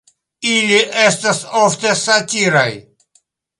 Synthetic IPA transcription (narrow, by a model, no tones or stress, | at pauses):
iːlʲiʔest̪ɐsoːft̪esat̪iːɾaj